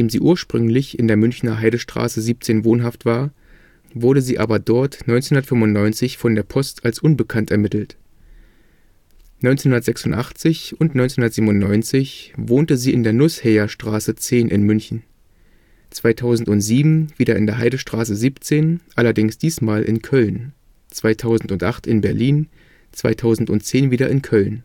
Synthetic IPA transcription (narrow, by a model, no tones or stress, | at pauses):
deːmziːʔuːɐʃpʁ̥ʏŋlɪçɪndeːɐmʏnçnɐɦaɪɾəʃtʁ̥a̰ːsəziːp̚t͡seːnvoːnɦaftv̥aːɐ | vʊɐɾəziːʔa̰ːbɐdɔɐtnɔʏnt͡senhʊnɐtfʏmvʊntnɔʏnt͡sɪçfɔndeːɐpʰɔstalsʔʊnbəkʰantɛɐmɪtl̩t | nɔʏnt͡senhʊndɐtz̥ɛksʊntʔaχt͡sɪçʊntnɔʏnt͡senhʊndɐtz̥iːbmʊntnɔʏnt͡sɪçvoːntəziːɪndeːɐnʊshɛːɐʃtʁ̥aːsət͡seːnʔɪ̰nmʏnçn̩ | t͡sv̥aɪtʰaʊzn̩tʊntz̥iːbm̩v̥iːdɐɪ̰ndeːɐɦaɪdəʃtʁ̥aːsəziːpt͡seːnʔalɐdɪŋsd̥iːsmaːlʔɪ̰nkʰœln | t͡sv̥aɪtʰaʊzn̩tʊntʔaχtɪnbɛɐliːn | t͡sv̥aɪtʰaʊzn̩tʊntt͡seːnviːɾɐʔɪnkʰœln